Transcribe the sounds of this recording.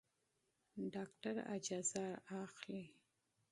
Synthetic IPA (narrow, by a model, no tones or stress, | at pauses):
ɖɑkʈaɾa̰d͡ʒɑzaaxli